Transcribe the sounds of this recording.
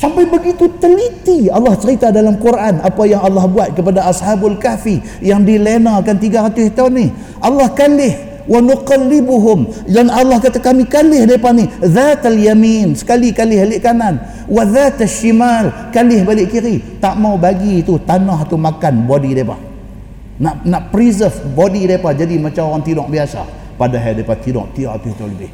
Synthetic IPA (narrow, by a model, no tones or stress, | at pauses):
sampajbəɡit̪ut̪əlit̪ialːɑht͡ʃəɾit̪adalamkuɾʔanapajaŋɑlːɑhbuat̪̚kəpadaʔashabalkafi | jaŋdilenakant̪iɡaɾat̪ʊst̪awnːih | ʔɑlːɑhkalɪh | wanuqɑlːɪbuɦʊmd͡ʒanʔɑlːɑhkat̪akamikalɪhdaipahniðat̪aljaminsə̥kalikalɪhalɪʔkanan | waðat̪aʃimal | kalɪhbalɪʔkiɾit̪aʔmawbaɡit̪ut̪anaɦt̪umakanbodidajpa̰h | naʔnaʔpəɾizəfbodidajpahd͡ʒadimat͡ʃamoɣaŋt̪inɔk̚biasa̰ | padaɦadaipat̪inɔ̰ʔ̚t̪iɡaʔra̰t̪ht̪aunləbɪh